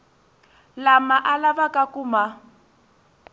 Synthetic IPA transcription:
lamaʔalaβakʼakuma

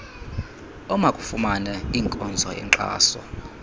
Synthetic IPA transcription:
ɔmakʼufumanɛiːŋkʼɔnd͡zʱɔjɛ̰ŋǁa̰ːsɔ̰

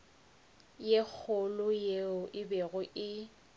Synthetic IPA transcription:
jek͡xʰʊlʊjeʊʔɪbeɣʊʔɪ

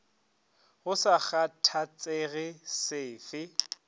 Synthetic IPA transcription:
ɣʊsak͡xatʰat͡sʼeɣɪsɪːfɪ

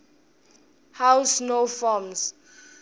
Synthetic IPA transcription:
hawsnofɔms

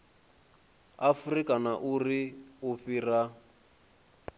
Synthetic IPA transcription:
afurikanaʔuriuɸira

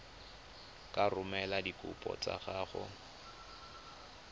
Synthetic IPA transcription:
kʼarʊmɛladikʼʊ̰pʼɔ̰t͡sʼa̰ɣaːχʊ

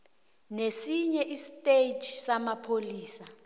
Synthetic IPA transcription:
nesiɲɛʔisitʼed͡ʒʱsamapʰoliːsa

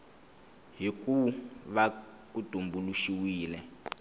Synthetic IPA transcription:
ɦikuβa | kud̥ʱumbuluʃiwiːlɛ

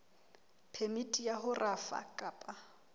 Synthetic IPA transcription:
pʰɛmitʼijaɦʊrʔafa̰kʼaːpʼa

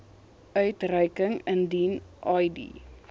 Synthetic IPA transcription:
œɥtrœjkəŋəndinʔɐjdḭ

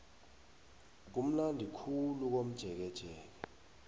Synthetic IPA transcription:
k̬um̩landʱikʰuluk̬om̩d̥ʒ̥ʱɛk̬ɛd̥ʒ̥ʱɛːk̬ɛ

